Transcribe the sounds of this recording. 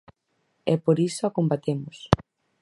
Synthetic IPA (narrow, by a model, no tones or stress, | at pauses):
ɛpoɾisoakombat̪emʊs